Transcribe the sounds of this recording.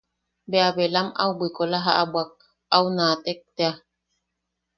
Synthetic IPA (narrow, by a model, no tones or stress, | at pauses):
beaβelama̰wbʷikolaɦaʔabwak̚ | awnaːt̪ek̚t̪ea